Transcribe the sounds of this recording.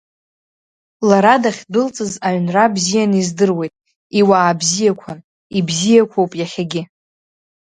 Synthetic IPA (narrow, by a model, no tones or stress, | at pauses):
laɾadaχʲdɨlt͡sʼɨzaɥnrabzijanizdɨrwe̞jtʼ | iwaːbzijakʷʰan | ibzijakʷʰowpʼjaχʲaɡʲɪ